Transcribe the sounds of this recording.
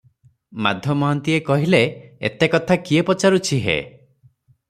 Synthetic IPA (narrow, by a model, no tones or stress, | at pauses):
ma̰d̪ʱjɔmɔɦant̪iekɔɦileḛt̪ekɔt̪ʰakiepɔt͡ʃaɾut͡ʃʰiɦḛ